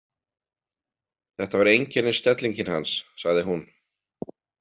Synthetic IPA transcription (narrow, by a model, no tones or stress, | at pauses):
θɛht̪avaɾejɲcɛnːɪst̪ɛt̪liɲcɪnha̰nsːaɣðɪɦun